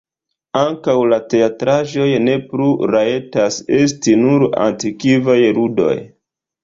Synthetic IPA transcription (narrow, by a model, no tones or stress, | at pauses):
aŋkawlate̞atɾaʒo̞jne̞pluɾae̞tase̞stinuɾa̰ntikivajɾudo̞̰j